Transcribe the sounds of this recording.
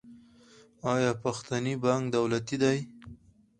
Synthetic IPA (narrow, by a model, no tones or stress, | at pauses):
ɑjɑpaxt̪anibaŋkd̪awlat̪id̪aj